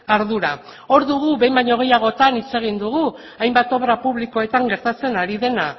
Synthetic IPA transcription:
aɾðuɾa | o̞ɾðuɣ̞uβe̞jmbaɲo̞ɣ̞e̞jaɣ̞o̞t̪anit͡se̞ɣ̞ind̪uɣu | ajmbat̪o̞βɾapuβliko̞e̞t̪aŋɡe̞ɾt̪at͡se̞naɾiðe̞na

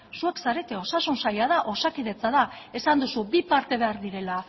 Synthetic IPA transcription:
sue̞ksaɾe̞t̪eo̞sasunsajaðaʔo̞sakiðe̞t͡saðae̞sand̪usubipaɾt̪e̞βe̞aɾðiɾe̞la

